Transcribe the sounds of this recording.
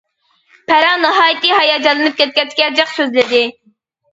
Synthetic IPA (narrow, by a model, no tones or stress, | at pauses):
pʰæɾɑnɨɦɑːjit̪ɨɦɑjɑd͡ʒɑlˠɨnɨp̚kʲʰɛt̪̚kʲɛt̪kʲɛd͡ʒɛqsøzlɪd̪ɪ